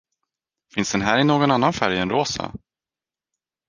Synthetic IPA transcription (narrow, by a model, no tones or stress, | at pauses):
fɪnsd̪̥ɛnɦæːɾɪnoːɡɔnanːanfæɾjɛnɾoːsa̰